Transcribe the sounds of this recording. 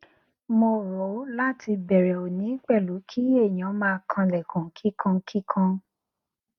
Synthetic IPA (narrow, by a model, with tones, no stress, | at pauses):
mo˧ɾo˨˦la˦tʰi˧bɛ˨ɾɛ˨o˨nĩ˨˦k͡pɛ˦˨lu˨˦kʰi˦e˦˨j̃ã˨˦mãː˧kʰã˧lɛ˨kũ˨kʰi˦kʰã˧kʰi˦kʰã˧